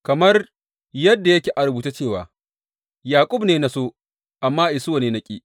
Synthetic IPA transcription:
kɐ˨mɐ˦r | jɐ˦dːa˨jɐ˦kʲeː˨ʔa˨ɾʊ˨buː˨ta˦t͡ʃeː˦˨wa̰ː˨ | jaː˨kʷʼʊ˦bneː˨na˨soː˦ | ʔa˨mːaː˦ʔɪ˨sʊ˦a˨neː˦nɐ˦kʲʼḭ˦

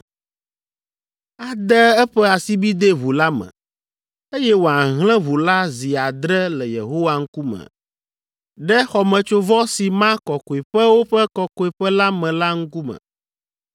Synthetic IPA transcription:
a˨d̪ɛ˦ɛ˦ɸɛ˦a˨si˦bi˦d̪e˦βu˨la˦mɛ̰̃˨ | e˦jɛ˦wo˨a˨ɦlɛ̃˦βu˨la˦zi˨a˨d̪ɾɛ˦lɛ˨jḛ˨ɦo˦wa˦ŋ̩˦ku˦mɛ̰˨ | ɖɛ˦xɔ˨mɛ̃˨t͡ʃo˦vɔ˦si˨mã˦kɔ˨ko˨e˨ɸɛ˦wo˦ɸɛ˦kɔ˨ko˨e˨ɸɛ˦la˦mɛ̃˨la˦ŋ̩˦ku˦mɛ̰̃˨

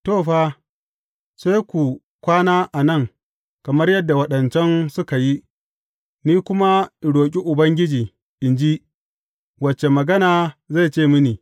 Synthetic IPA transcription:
toː˦˨ɸaː˦ | sa˦jkʷu˨ | kʷaː˦naː˦ʔa˨nɐ˦˨ŋ | kɐ˨mɐ˦rjɐ˦dːa˨wɐ˦ɗɐ˨nt͡ʃɛ˦nsʊ˦ka˨ji˦ | niː˦kʷʊ˦ma˦˨ɽoː˨k̬ʲʼi˦ʔʊ˨bɐ˦ŋɡʲɪ˦d͡ʒiː˨ | ʔɪ˨nd͡ʒi˦ | wɐ˨t͡ʃːe˨mɐ˨ɡɐ˦naː˨za˦˨t͡ʃeː˦˨mʊ˦niː˨

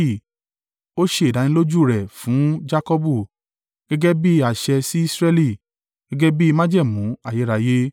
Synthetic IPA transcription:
i˦˨ | o˦ʃe˧˨da˨nĩ˧˦lo˦d͡ʒu˦˨ɾɛ˨fũ˨˦d͡ʒa˦kɔ˦bu˦˨ | ɡ̥ɛ˦ɡɛ˦bi˦a˨ʃɛ˧si˦i˦sɾɛ˦li˦˨ | ɡ̥ɛ˦ɡɛ˦bi˦i˧mã˦d͡ʒɛ˦˨mũ˨˦a˦˨je˨˦ɾa˧je˦

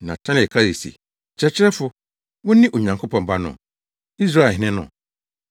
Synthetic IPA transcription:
nã˨tʰã˦n˨kʰa˦ɾe˨sḭ˨ | t͡ɕʰɾɛ˦t͡ɕʰɪ˦ɾɛ˦fʊ˦ | wʊ̃˦nɪ̃˦ʔo˨ɲã˨ŋkʰo˦pʰɔ̃˨m˨ba˦nʊ̰̃˨ | i˦s̬ɾa˦˨hɪ̃˦nɪ̃˦nʊ̰̃˨

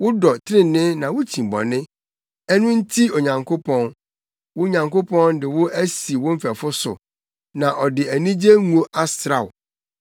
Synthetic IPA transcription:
wʊ˦dɔ˨tʰɪ˦ɾɪ˦nɪ̃˦nã˨wʊ˦t͡ɕʰĩ˨bɔ̰̃˨nɪ̃˦ | ɛ˦nʊ̃˦n̩˦tʰi˦o˨ɲã˨ŋkʰo˦pʰɔ̃˦n | wʊ˦ɲã˨ŋko˦pʰɔ̃˦n˦dɪ˨wʊ˦ʔæ˦si˨wʊ̃˦m̩˦fæ˨fʊ˦sʊ̰˨ | nã˨ʔɔ˨dɪ˨æ˨nĩ˦d͡ʑe˦ŋũ˨o˦ʔa˦sɾa˨wʊ˨

